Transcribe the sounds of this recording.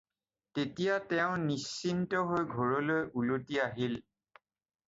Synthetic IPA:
tetijatɛʊ̃nisːintɔɦojɡʱoɹɔlojʔulutiaɦil

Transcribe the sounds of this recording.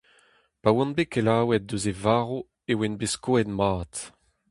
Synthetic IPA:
pawɔ̃nbekelaːwɛt̚dozevaːʁo | ewɛnbeskoɛdmaːt̪

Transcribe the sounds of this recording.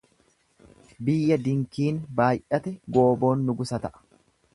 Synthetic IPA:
bɪjːɐd̪ɪŋkiːnbaːjʔɐt̪ɛɡo̞ːbo̞ːnːʊɡʊsɐt̪ɐʔɐ̥

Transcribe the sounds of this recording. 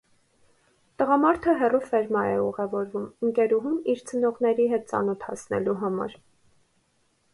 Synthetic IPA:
t̪əʁɑmɑɾt̪ʰəɦɛrufɛɾmɑɛuʁɛvɔɾvuməŋkɛɾuɦumiɾt͡sʰənɔʁnɛɾiɦɛt̪̚t͡sɑ̰nɔt̪ʰhɑ̰snɛ̰luɦɑmɑ̰ɾ

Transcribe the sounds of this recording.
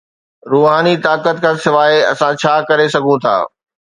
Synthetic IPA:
ɾuːɦaːnit̪aːkət̪̚kʰasɪʋaːeɐ̰sãt͡ɕʰaːkɐɾesɐɡʱũt̪ʰa̰ː

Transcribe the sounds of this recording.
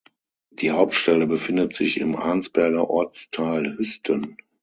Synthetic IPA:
d̥iːhaʊp̚tʃtɛləbəfɪndətz̥ɪçɪ̰mʔa̰ɐnt͡sb̥ɛɐɡɐʔɔɐt͡stʰaːlhʏstʰən

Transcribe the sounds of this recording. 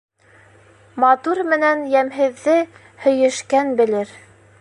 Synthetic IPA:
mɑt̪uɾmɘ̆nænjæmɦɘ̆ðːɘ | hɵ̆jɘ̆ʃkænbɘ̆lɘɾ

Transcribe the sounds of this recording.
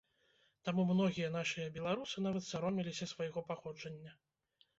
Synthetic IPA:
t̪amumnɔɣʲijɐnaʂɨjɐbʲɛlˠaɾusɨnavɐt̪sʲaɾɔmʲilʲisʲɐsvajɣɔpaxɔd͡ʐɐnʲːɐ

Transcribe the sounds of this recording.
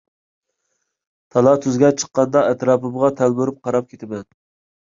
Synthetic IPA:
t̪ʰɑlˠɑt̪ʰyzɡʲɛt͡ʃʰə̥qːɑnd̪ɑɛt̪ɾɑːpɨmɨʁɑt̪ʰælbyɾyp̚qʰɑɾɑp̚kʲʰet̪ʰɪmɛn

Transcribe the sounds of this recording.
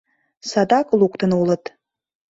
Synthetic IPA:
sad̪akʼlˠukʷʼt̪ʰənulˠət̪

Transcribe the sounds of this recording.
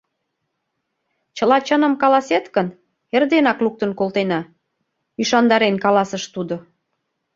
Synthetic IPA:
t͡ɕəlɑt͡ɕənə̆mkɑlɑset̪kən | erd̪enɑkluk̚t̪ənkolt̪enɑ | yʃɑnd̪ɑɾenkɑlɑsəʃt̪ud̪o

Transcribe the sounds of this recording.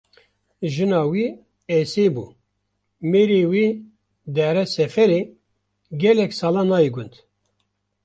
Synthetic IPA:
ʒɨnɑːwiː | eseːbṵː | meːɾiwiː | d̪ɛɾɛsɛfɛɾe | ɡɛlɛksɑːlɑnɑːjiɡʊnt̪

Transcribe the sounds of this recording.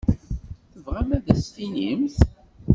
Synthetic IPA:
θəvʁæmæðæsfinimθ

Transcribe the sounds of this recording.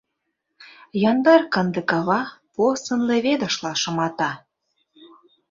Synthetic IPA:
jɑnd̪ɑrkə̆nd̪ə̆kɑβɑposə̆nleβed̪ə̆ʃlɑʃɤ̆mɑt̪ɑ

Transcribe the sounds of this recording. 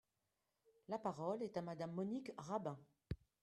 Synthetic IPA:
lapaʁɔlɛt̪amad̪amːɔnikʁabɛ̃

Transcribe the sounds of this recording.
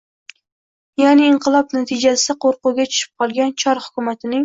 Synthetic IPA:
janiːɴqʰɨlˠɒpnat̪ʰɪd͡ʒasɪɪqʰoɾqʊɡʲat͡ʃʰʊ̥ʃɪ̥p̚qʰɒlˠɡʲant͡ʃʰɒɾhʊ̥kʲʊmat̪ʰɪnɪŋ

